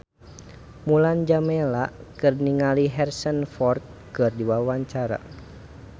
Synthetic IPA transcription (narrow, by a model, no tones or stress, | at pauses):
muland͡ʒamɛlaʔkɨrniŋaliɦɛrsənfɔrt̪̚ | kɨrdiwawaɲt͡ʃaɾa̰